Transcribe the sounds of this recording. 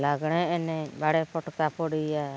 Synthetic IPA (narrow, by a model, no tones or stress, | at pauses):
laɡɽ̃ɛɛnɛbaɽɛpɔʈkapɔɽia